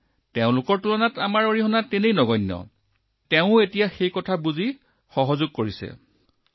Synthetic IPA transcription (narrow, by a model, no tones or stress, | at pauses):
teʊ̃lʊkɔɹtulɔnatamaɹoɹiɦɔnatenejnɔɡɔjnːjɔ̰ | teʊ̃etijaxejkɔtʰabuzi | xɔɦɔzʊɡ̚koɹisɛ̰